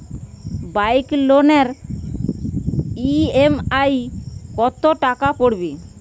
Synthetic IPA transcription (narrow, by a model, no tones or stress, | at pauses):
bajkloneɾ | iemajkɔt̪oʈakapoɽbe